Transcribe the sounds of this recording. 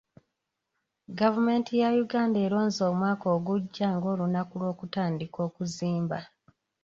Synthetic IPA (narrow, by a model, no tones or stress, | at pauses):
ɡavume̞ːntʰijajuɡaːnde̞ːɾo̞ːnzoːmwaːko̞ːɡuɟːaŋɡo̞ːlunakulwo̞ːkutaːndiko̞ːkuziːmba